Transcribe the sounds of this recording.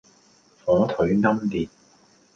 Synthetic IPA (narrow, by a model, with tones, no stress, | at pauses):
fɔː˨˥t̪ʰɵ˨˥ɥŋɐ˥mliː˨t̚